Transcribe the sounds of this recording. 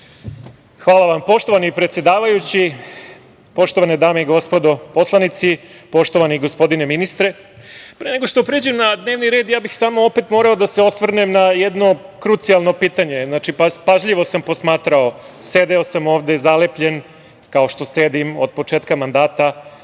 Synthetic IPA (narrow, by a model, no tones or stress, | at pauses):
xʋaːlˠaʋampo̞ʃt̪o̞ʋanipɾet̪sje̞d̪aːʋajut͡ɕi | po̞ʃt̪o̞ʋaned̪aːmeiɡo̞spo̞d̪o̞po̞slˠanit̪sipo̞ʃt̪oʋaniɡo̞spo̞d̪ine̞minist̪ɾe̞ | pɾeːneɡoʂt̪opɾeːd͡ʑemnad̪ne̞ːʋniɾe̞ːd̪jaːbixsaːmoope̞t̪mo̞ːɾaod̪aseo̞sʋr̩nemnajed̪no̞kɾut̪sialˠno̞piːt̪aɲe̞znaːt͡ʃippaʒʎiʋo̞sampo̞smaːt̪ɾao̞ | sed̪eosamoːʋd̪e̞zalepʎe̞n | kao̞ʃt̪o̞se̞d̪imod̪̚po̞t͡ʂeːt̪kamand̪aːt̪a